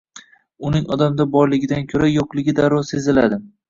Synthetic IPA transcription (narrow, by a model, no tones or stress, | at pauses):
ʊnɪŋɒd̪amd̪abɒɾlɪɡʲɪd̪ankʲʰɵɾajoqlˠɪɡʲɪd̪aɾɒse̞zɪlad̪ɪ